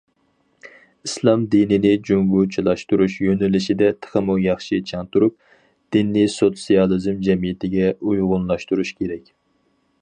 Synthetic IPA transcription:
islˠɑmd̪inɪnɪd͡ʒuŋɡut͡ʃʰilˠɑʃt̪uɾuʃjønɪlɪʃɪd̪ɛt̪ʰə̥χəmujɑχʃit͡ʃʰɑŋt̪uɾup̚ | d̪̥inːisot̪sijɑlˠɨzmd͡ʒɛmijɪt̪ʰɪɡʲɛujʁʊnlˠɑʃt̪uɾuʃkʲʰeɾɛkʲ

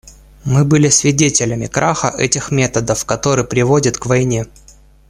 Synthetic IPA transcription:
mɨbɨlʲɪsvʲɪdʲetʲɪlʲəmʲɪkɾʔaxə̰ʔɛtʲɪxmʲe̞t̪əd̪əfkɐt̪o̞ɾɨjpɾʲɪvo̞dʲət̪kvɐjnʲe

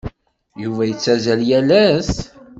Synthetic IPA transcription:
juvæjət͡sːæzæljælæs

